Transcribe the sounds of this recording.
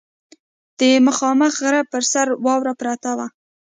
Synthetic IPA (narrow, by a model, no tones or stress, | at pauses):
d̪̥əmaxɑməxɣɾapəɾsaɾwɑwɾapɾat̪awa